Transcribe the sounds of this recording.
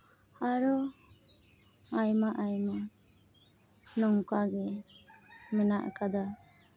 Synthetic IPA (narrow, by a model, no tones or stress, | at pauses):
aɾɔ | ajmaʔajma | nɔŋkaɡɛ | mɛnaʔkad̪a